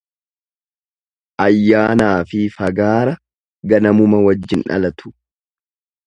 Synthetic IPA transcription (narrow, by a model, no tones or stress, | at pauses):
ʔɐjːaːnaːfɪfɐɡaːɾɐ | ɡɐnɐmʊmɐwɐd͡ʒːɪnʔɐ̰lɐt̪ʊ̥